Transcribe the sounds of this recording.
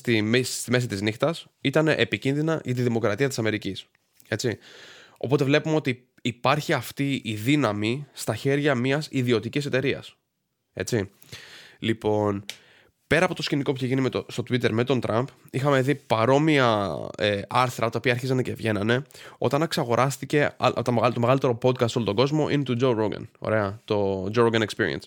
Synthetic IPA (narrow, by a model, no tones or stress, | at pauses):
t̪imist̪ime̞s̬it̪iznixt̪ɐs | it̪ɐnḛʔepicinðinɐʝɐt̪̬iðimo̞kɾɐt̪iɐt̪i̥sɐme̞ɾicis | e̞t͡sio̞̰po̞t̪e̞vle̞pumeo̞t̪iː | pɐɾçiɐft̪iiðinɐmist̪ɐçe̞ɾʝɐmiɐsiðio̞t̪icis̬e̞t̪e̞ɾiɐ̰s | e̞̰t͡si | lipo̞n | pe̞ɾɐpo̞t̪o̞sciniko̞p̬uçeʝinimet̪ost̪o̞t̪wit̪e̞ɾme̞t̪o̞nt̪ɾʔɐmp | ixɐme̞ðipɐɾo̞miɐeɐɾθɾɐt̪ɐopiɐɾçizɐnɐce̞vʝe̞nɐne̞o̞̰t̪ɐnɐksɐɣo̞ɾʔɐst̪ice̞ɐ̰t̪ɐmeɣɐlt̪omeɣɐlit̪e̞ɾo̞po̞t̪̚kɐst̪olot̪o̞ɡo̞zmo̞ʔinet̪ud͡ʒoɾoɡɐ̰no̰ɾe̞ɐt̪o̞d͡ʒoɾoɡɐnekspiɾḭḛns